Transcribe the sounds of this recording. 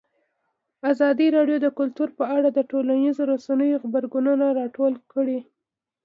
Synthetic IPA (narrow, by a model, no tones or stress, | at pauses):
azɑd̪iɾɑɖjod̪əkʊlt̪uɾpəaɽad̪əʈolanizoɾosanəjoxbaɾɡununaɾɑʈolkəɽi